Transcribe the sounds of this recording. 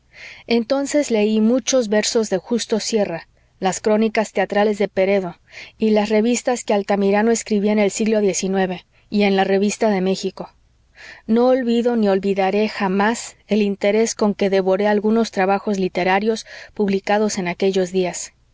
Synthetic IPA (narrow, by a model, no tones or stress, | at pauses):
e̞nt̪o̞nse̞zle̞imut͡ʃo̞zβe̞ɾso̞zðe̞xust̪o̞sje̞ra | laskɾo̞nikast̪e̞at̪ɾale̞zðe̞pe̞ɾe̞ðo̞ilasre̞βist̪askealt̪amiɾanoeskɾiβiene̞lsiɣlo̞ðje̞sinwe̞βe̞ | ie̞nlare̞β̞ist̪aðe̞me̞xiko̞ | no̞ːlβiðo̞nio̞lβiðaɾe̞xamase̞lint̪e̞ɾe̞sko̞ŋke̞ðe̞βo̞ɾe̞alɣuno̞st̪ɾaβaxo̞zlit̪e̞ɾaɾjo̞spuβlikaðo̞se̞nake̞ʝo̞zðias